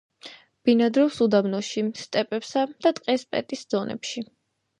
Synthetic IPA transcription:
b̥inad̪ɾɔwsud̪amnɔʃist̪ʼɛpʼɛpsad̪̥at̪ʼqʼɛspʼɛ̰t̪ʼisd̪z̥ɔnʔɛ̰pʃi

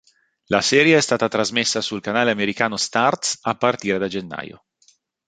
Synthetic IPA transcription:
lasɛːɾjeɛst̪aːt̪at̪ɾazmesːasulkanaːleameɾikaːnost̪art̪sapːart̪iːɾed̪ad͡ʒenːa̰ːjo̰

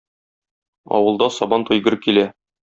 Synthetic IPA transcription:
ɒ̰wɤ̆lˠd̪ɑsɒbɑnt̪ŭjɡɤ̆ɾɤp̚kilæ

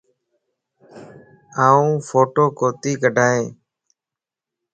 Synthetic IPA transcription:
aːũːfʰoːʈoːkoːt̪iːkəɖʱaːẽː

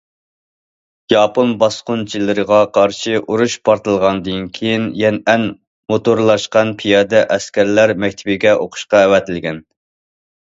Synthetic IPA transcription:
jɑːponbɑsqʊnt͡ʃʰilɪɾəʁɑqʰɑɾʃiʔuɾuʃpʰɑɾt̪ɨlˠʁɑnd̪ɨnkʲʰejinjɛnɛn | mot̪oɾlˠɑʃqɑnpʰijɑːd̪ɛʔɛskʲæɾlæɾmɛk̚ʲt̪ʰɪbɪɡʲɛʔoqʰʊ̥ʃqɑɛwɛt̪ɪlɡʲɛn

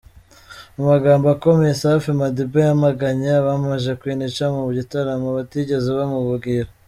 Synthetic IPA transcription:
amaɡaːmboako̞mejesafimadibejamaɡaɲaβamaʒekwinit͡ʃamuβuɟitaɾamaβatiɟe̞zeβamuβuɡiɾa

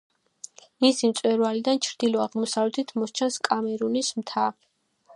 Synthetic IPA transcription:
misimt̪sʼwɛɾvalid̪ant͡ʃʰɾd̪ilɔaʁmɔsavlɛt̪ʰit̪ʰmɔst͡ʃʰanskʼamɛɾunismt̪ʰa

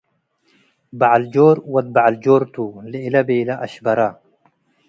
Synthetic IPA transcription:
baʕald͡ʒoːɾwɐt̪̚baʕald͡ʒoːɾt̪uliɪlabeːlaʔɐʃbɐɾa

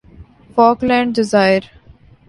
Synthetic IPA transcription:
fɔːklɛ̃ːɳɖɖɪzaːɪəɾ

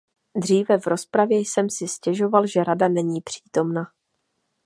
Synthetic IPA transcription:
d̪r̝iːvɛvɾo̞spɾavjɛjsɛmsɪscɛʒo̞valʒɛɾadanɛɲiːpr̝̥iːt̪o̞mna

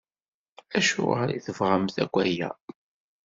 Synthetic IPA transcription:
æʃʊ̰ʁəɾiθəvʁəmθækʷːæjæ̰

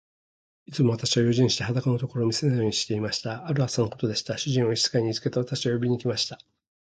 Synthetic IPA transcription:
it͡sɨmoat̪aɕiβajo̞ʑĩɕi̥t̪eɦad̪akano̞t̪o̞ko̞ɾo̞ːmʲise̞najo̞ːɲ̟iɕi̥t̪e̞imaɕi̥t̪aaɾɯ̟asanoko̞t̪o̞d̪e̞ɕi̥t̪aɕɨʑĩɰ̃o̞ii̥t͡sɨ̥kaiɲ̟it͡sɨ̥ke̞t̪eat̪aɕiβajobʲiɲ̟ikʲimaɕi̥t̪a

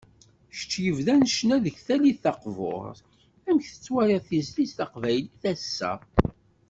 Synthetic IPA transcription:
ʃt͡ʃːjəvðænʃnæðəçθæliθɑqvo̰ɾˤθ | æmçθə̥t͡sːwæɾɑθizlisθɑqvæjliθæsːæ̰

